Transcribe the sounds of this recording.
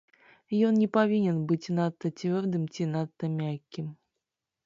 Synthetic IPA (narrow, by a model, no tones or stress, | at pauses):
jɔnnʲɛpavʲinʲɛnbɨt͡sʲnat̪ːɐt͡sʲvʲɔrd̪ɨmt͡sʲinat̪ːɐmʲakʲːim